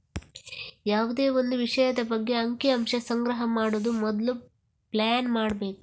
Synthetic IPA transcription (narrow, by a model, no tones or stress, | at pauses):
jaːʋud̪e̞ːʋo̞nd̪uʋiʂɐjɐd̪ɐbɐɡːe̞ɐŋkiɐmʂɐsɐŋɡɾɐɦɐmaːɽoːd̪umɔd̪ɐlu | plaːnmaːɽbe̞ːku